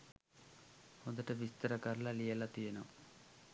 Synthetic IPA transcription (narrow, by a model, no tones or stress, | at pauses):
ond̪ɐʈɐʋist̪ɐɾɐkɐɾlɐlijɐlɐt̪ijɐnɐm